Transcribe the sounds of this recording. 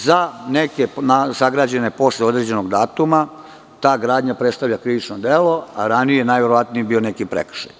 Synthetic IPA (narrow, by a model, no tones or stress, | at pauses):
zane̞ke̞nasaɡɾaːd͡ʑe̞ne̞po̞sleo̞d̪ɾe̞d͡ʑe̞no̞ɡd̪aːt̪uma | t̪aːɡɾaːd̪ɲapɾest̪aʋʎakɾiʋit͡ʃnod̪elo̞aɾanijejenaːjʋeɾo̞ʋat̪nijibione̞kipɾḛkr̥̩ʃa̰j